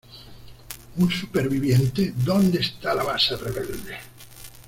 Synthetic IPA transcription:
unsupeɾβiβ̞jent̪ed̪õnd̪est̪alaβasareβeld̪e

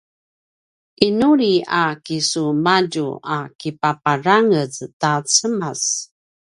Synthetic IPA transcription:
ʔinuɾiakisumaɟṵakipapaɾaŋəztat͡səmas

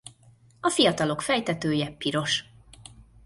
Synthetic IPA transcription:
ɒfijɒt̪ɒlo̞kfɛjt̪ɛt̪øːjɛpiɾo̞ʃ

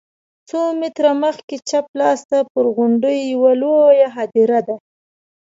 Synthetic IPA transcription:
t͡somɪt̪ɾaməxket͡ʃaplɑst̪apəɾɣʊɳɖəjːawalojaɦɑd̪iɾad̪a

